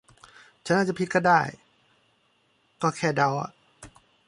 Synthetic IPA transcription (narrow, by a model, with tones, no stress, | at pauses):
t͡ɕʰa˦nʔaː˧˩t͡ɕpʰi˧t̪̚kɔː˥˩daː˥˩j | kɔː˧˩kʰɛː˧˩da˧˩wʔa̰˨ʔ